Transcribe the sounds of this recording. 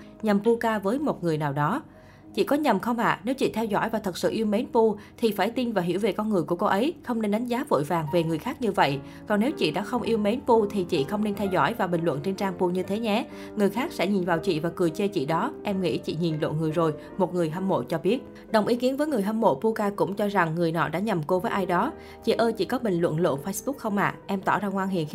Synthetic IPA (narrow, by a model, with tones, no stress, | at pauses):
ɲə˨˩mpu˧kaː˧vəː˨˦jmo˨˩t̚ŋɨ˨˩əjnaː˨˩wɗɔ˨˦ | t͡ɕḭ˧˨kɔ˨˦ɲə˨˩mxə˧wŋ͡mʔa̰ː˧˨ne˨˦wt͡ɕḭ˧˨t̪ʰɛ˧wzɔ̰˧˥˨jvaː˨˩t̪ʰə˨˩t̚sɨ̰˧˨ʔi˧wme˨˦npu˧t̪ʰi˨˩faː˧˩jt̪i˧nvaː˨˩ɦḭ˧˩əwve˨˩kɔ˧nŋɨ˨˩əjku˧˩əko˧ʔə˨˦jxə˧wŋ͡mne˧nɗa˨˦jŋ̟zaː˨˦vo̰˧˨jvaː˨˩ŋve˨˩ŋɨ˨˩əjxaː˦˥k̚ɲɨ˧və̰˧˨j | kɔ˨˩nːe˨˦wt͡ɕḭ˧˨ɗa̰ː˧˥xə˧wŋ͡mʔi˧əwme˨˦npu˧t̪ʰi˨˩t͡ɕḭ˧˨xə˧wŋ͡mne˧nt̪ʰɛ˧wzɔ̰˧˥˨jvaː˨˩ɓï˨˩ŋ̟lwə̰˧˨nt͡ɕe˧nt͡ɕaː˧ŋpu˧ɲɨ˧t̪ʰe˨˦ɲɛ˧˩ | ŋɨ˨˩əjxaː˦˥k̚sɛ̰˧˥ɲi˨˩nvaː˨˩wt͡ɕḭ˧˨vaː˨˩kɨ˨˩əjt͡ɕe˧t͡ɕḭ˧˨ɗɔ˨˦ʔɛ˧mŋḭ˧˥t͡ɕḭ˧˨ɲi˨˩nlwə̰˧˨nŋɨ˨˩əjzo˨˩j | mo˨˩t̚ŋɨ˨˩əjɦə˧mmo̰˧˨t͡ɕɔ˧ɓi˦˥ət̚ | ɗə˨˩wŋ͡mʔi˨˦ki˨˦ənvəː˨˦jŋɨ˨˩əjɦə˧mmo̰˧˨pu˧kaː˧kʊ̰˧˥ŋ͡mt͡ɕɔ˧za˨˩ŋːɨ˨˩əjnɔ̰˧˥ɗa̰ː˧˥ɲə˨˩mko˧vəː˨˦jʔaː˧jɗɔ˨˦ | t͡ɕḭ˧˨ʔəː˧t͡ɕḭ˧˨kɔ˨˦ɓï˨˩ŋ̟lwə̰˧˨nlwə̰˧˨nfə˧jsɓʊ˦˥k̚xə˧wŋ͡mʔa̰ː˧˨ʔɛ˧mt̪ɔ̰ː˧˩zaː˧ŋwaː˧nɦḭ˧˨ən˧